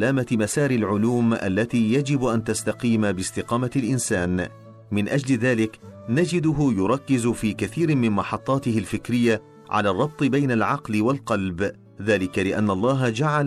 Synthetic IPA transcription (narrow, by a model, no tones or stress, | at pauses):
laːmamasaːɾɪlʕʊluːmʔa̰lːat̪iːjad͡ʒɪbʔant̪ast̪ɑqiːmabɪst̪ɪqɑːmalʔɪnsaːn | mɪnʔad͡ʒlɪðaːlɪknad͡ʒɪd̪ʊɦʊjʊɾˤɑkːɪzʊfiːkaθiːɾɪmɪnmɑħɑt̪ˤːɑːt̪ɪhɪlfɪkɾɪjːa | ʕa̰laːrˤːɑb̚t̪ˤɨbajnalʕɑqlɪwalqɑlb | ðaːlɪkalɪʔanːɑlˤːɑːɦad͡ʒaʕal